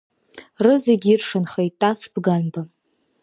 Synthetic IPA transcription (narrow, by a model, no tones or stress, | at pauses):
rɨzeɡʲirʂɨnχejtʼːasbɡanba